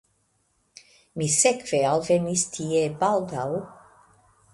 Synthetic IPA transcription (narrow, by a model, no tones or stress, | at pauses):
misɛkveɑlˠvemist̪ʰiebalˠd̪aw